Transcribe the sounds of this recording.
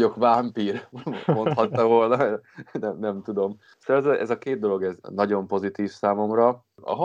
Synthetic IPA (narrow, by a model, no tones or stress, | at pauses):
o̞kvaːmpiːrmo̞nt̪hɒt̪ːɒvo̞lnɒnɛmnɛmt̪ud̪o̞m | soɛzʔɛ̰zɒkeːd̪d̪o̞lo̞ɡɛznɒɟo̞mpo̞zit̪iːfsaːmo̞mrɒ | ɒ̰ɦo